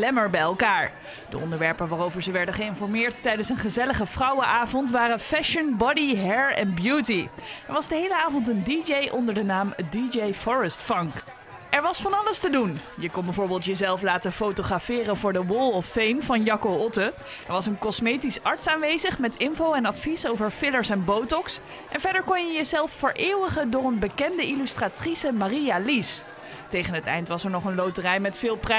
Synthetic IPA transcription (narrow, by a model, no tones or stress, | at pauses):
lɛməɹbɛjɛlˠkaːɹ | d̥ə̰ʔɔ̰ndəɹʋɛɹpənʋaːrowvəɹzəʋɛɹdənχəɪnfɔɹmɪːɹttɛjdənsənχəzɛləχəfrɑwəʔaːvɔntʋaːrəfɛʃənbɔdiɦɛɹɛ̰nbjutiɛɹʋɑzdəɦejləaːvɔntəndid͡ʒejʔɔndəɹdənaːmdid͡ʒejfɔɹəstfɑŋk | ʔɛɹʋɑsfɑnɑləstədunjəkɔnbəvʊːɹbɪːlˠtjəzɛlˠflaːtəfowtoχrafɪːrənvʊːɹdəwɔlˠɔfejmvɑnjɑkowɔtə | ɛɹʋɑsənkɔsmejtisɑɹtsaːnʋejzəχmɛtɪnvowɛnɑtfisowvəɹfɪləɹsɛnbowtɔks | ʔɛnvɛɹdəɹkɔnjəjəzɛlˠfːəɹʔɪːwəχəndʊːrənbəkɛndəʔilystraːtrisəmarialis | tejχənɦətɛ̰jntʋɑsɛɹnɔχənlowtərɛjmɛtfɪːlˠprɛ